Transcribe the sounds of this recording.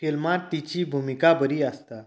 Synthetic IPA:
kilmat̪t̪it͡ɕiːbʱumikabəɾiːast̪a

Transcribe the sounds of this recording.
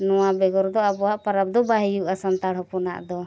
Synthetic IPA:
nɔwabɛɡɔɾd̪ɔabɔwaʔpaɾap̚d̪ɔbaɦijuʔasant̪aɽɦɔpɔna̰ʔd̪ɔ

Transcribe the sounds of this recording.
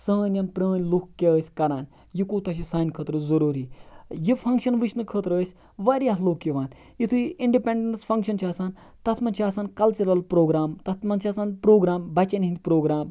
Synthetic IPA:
sə̃ːnʲɐnpɾəːnʲlukkːeəːsʲkɐɾaːn | jikuːt̪ɐʃ̬isaːnʲkʰəːt̪ɾɨzɐɾuːɾiːjifʰɐŋkʃɐnʋɨʃnɨkʰəːt̪ɾəːsʲ | ʋaːɾʲaɦloːkjiʋaːn | jit̪ʰuiɳɖipeɳɖensfʰɐŋkʃɐnt͡ʃʰiaːsaːn | t̪ɐt̪ʰmɐnt͡ʃʰiaːsaːnkɐlt͡ʃɐɾɐlpɾoːɡɾaːmt̪ɐt̪ʰmɐnt͡ʃʰɐːsaːnpɾoːɡɾaːmbɐt͡ʃɐnʲint̪ʲpɾoːɡɾaːm

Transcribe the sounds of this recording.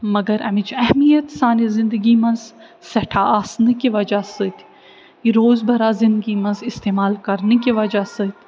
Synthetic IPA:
mɐɡɐɾɐ̰mit͡ʃʰɛɦmijət̪saːnizɪ̃nd̪əɡimɐ̃nz | sɛʈʰaaːsnikiʋɐd͡ʒasɨt̪ʰ | iɾoːzbʱɐɾaːzɪ̃nd̪ɡimɐ̃nzɪst̪eːmaːlkɐɾnikiʋɐd͡ʒasɨt̪ʰ

